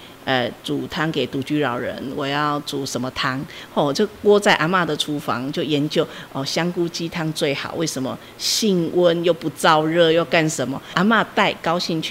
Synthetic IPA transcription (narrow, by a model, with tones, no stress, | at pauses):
ə˨˩t͡su˨˩t̪ʰɑ˥ŋke˨˩ɪt̪u˨˥t͡ɕy˧˥ɻɑ˨˩ʊɻə̰˧˦nwɔ˨˩jɑ˥˩ʊt͡su˨˩ʂə˨˦mə˧t̪ʰa˥ŋhɔ˥˩˨t͡ɕjo˥˩kwɔ˥t͡sa˥˩ɪʔa˧˥nma˥˧d̪ə˨ʈ͡ʂʰu˦fɑ̰˧˦ŋt͡ɕjo˥˩ʊjɛ˧˦nt͡ɕjo˥˩ʊɔ˨˩ɕjɑ˥ŋku˥˦t͡ɕi˦t̪ʰɑ˥ŋt͡swe˥˩ɪxɑ̰˨˩ʊwe˥˩ɪʂə˧˦nmə̰˧ | ɕi˥˧ŋwə˦njo˥˧ʊpu˧t͡sɑ˥˧ʊɻɤ˥˧jo˥˧ʊka˥˧nʂə˨˦nmə˨ʔa˧˥ma˥˧t̪a˥˩ɪkɑ˥ʊɕi˥˧ŋt͡ɕʰ